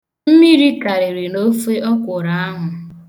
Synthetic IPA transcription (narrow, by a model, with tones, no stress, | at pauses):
m̩˦mi˦ɾi˦ka˨ɾe˨ɾi˨no˦fe˦ɔ˦kʷʊ˨ɾa˨a˦ɦʊ˨